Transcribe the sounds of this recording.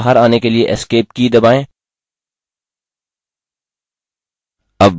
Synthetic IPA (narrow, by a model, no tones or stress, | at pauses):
ɦəɾaːnekelieʔɪskeːp̚kid̪ɐbaːẽː | ɐb